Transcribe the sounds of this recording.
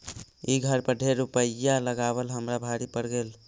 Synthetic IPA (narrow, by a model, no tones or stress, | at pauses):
iɡʱəɾpəɖʱeɾupəjːaləɡabəlɦəmɾabʱaɾipəɾɡel